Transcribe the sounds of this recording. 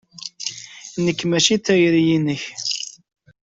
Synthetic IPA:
nəkːmæʃiθæjɾijinəç

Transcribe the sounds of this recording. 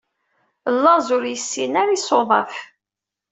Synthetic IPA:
lːɑzʊɾjəsːinaɾisoðˤɑ̰f

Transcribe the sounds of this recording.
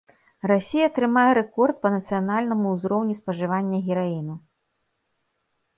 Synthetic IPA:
rasʲijɐːt̪ɾɨmajɛɾɛkɔrt̪̚pɐnɐt̪sɨjanalʲnɐmuwzɾɔwnʲispɐʐɨvanʲːɐɣʲiɾainu

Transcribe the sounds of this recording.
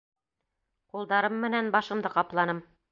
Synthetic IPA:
qulˠd̪ɑɾɤmːɘ̆nænbɑʃɤ̆md̪ɤqɑplˠɑnɤm

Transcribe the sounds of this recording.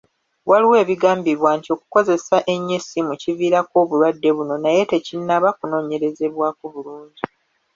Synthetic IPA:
waliwe̞ːβiɡaːmbiɾwaːntio̞ku̥ko̞ze̞saʔe̞ɲːesimuciviːɾako̞ːβulwadːe̞βuno̞naje̞te̞cinːaβakuno̞ːɲe̞ɾe̞ze̞βwaːkuβuluːɲɟi

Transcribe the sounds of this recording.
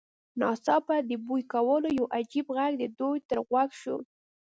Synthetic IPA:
nɑsɑpad̪əbujkawəlojawʔad͡ʒibɣaɡd̪əd̪ujt̪əɾɣwaɡʃo̰

